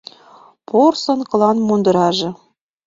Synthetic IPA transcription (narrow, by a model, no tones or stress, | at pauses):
porsonkɤ̆lɑnmond̪ɤ̆ɾɑʒɤ̆